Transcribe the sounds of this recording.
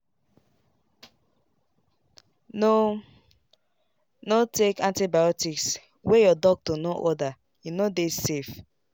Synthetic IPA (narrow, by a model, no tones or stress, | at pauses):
no | notekãntibajɔtiks | wejɔdɔk̚tonoʔɔda | junodesef